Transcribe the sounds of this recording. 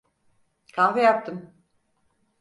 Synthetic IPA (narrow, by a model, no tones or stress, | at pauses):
kʰanfɯjap̚t̪ʰɯm